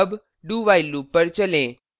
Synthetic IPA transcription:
b | ɖuʋajlupəɾt͡ɕəlẽ

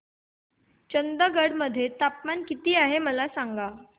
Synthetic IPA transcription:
t͡ɕənd̪əɡəɽməd̪ʱːjet̪apmankit̪iːaɦeməlasaŋɡa

